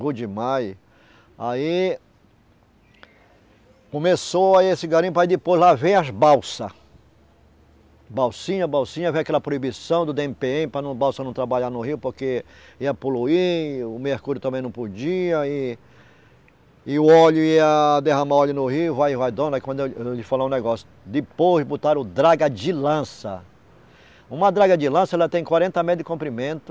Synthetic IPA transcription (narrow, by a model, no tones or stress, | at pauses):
ɡod͡ʒɪmaj | ai | kõmesoaesɪɡaɾĩɲʊpɾɐid̪ɪpojzlavẽj̃ɐzbawsɐ | bawsĩɲɐbawsĩɲɐvẽjakɛlɐpɾoibisɐ̃w̃d̪ʊd̪eẽmpeẽmɪpɾɐnɐ̃w̃bawsɐnɐ̃w̃t̪ɾabaʎanʊhiwpoɾkeiɐpoluiʊmehkuɾjʊt̪ɐ̃mbẽjnɐ̃w̃pod͡ʒiɐɪ | ɪʊɔʎʊiɐd̪eɦɐ̃maɔʎʊnʊɦiwvajvajd̪õnd̪ɐkwɐ̃nd̪eewlɪfalaʊ̃nɛɡɔsjʊd̪ɪpozbot̪aɾʊd̪ɾaɡɐd͡ʒɪlɐ̃sɐ | ũmɐd̪ɾaɡɐd͡ʒɪlɐ̃sɐɛlɐt̪ẽj̃kwaɾẽnt̪ɐmejd̪ɪkõmpɾimẽnt̪ʊ̥